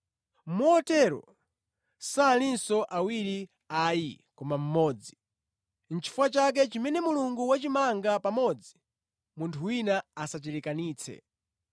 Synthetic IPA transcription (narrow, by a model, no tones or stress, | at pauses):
mɔːtɛɾɔ̰ | saːlinsɔʔawiɾi | aji | kɔmam̩mɔːd͡zi | n̩t͡ʃʰi̥fuwat͡ʃak̬ɛt͡ʃimɛnɛmuluŋɡuwat͡ʃimaŋɡapamɔd͡zi | muntʰuwinaasat͡ʃɛɾikaniːt͡sʰɛ̰